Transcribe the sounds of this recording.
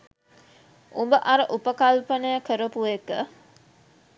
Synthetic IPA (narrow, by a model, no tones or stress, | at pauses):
umbəʔaɾəʔupəkalpənəjəkəɾəpuekə